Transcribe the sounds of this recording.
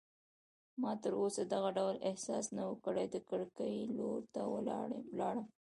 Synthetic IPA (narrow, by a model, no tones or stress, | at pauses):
mɑt̪əɾosad̪aɣaɖawlɪhsɑsnawəkəɽajd̪əkəɽkəjloɾt̪awə̰l̰lɑɽəm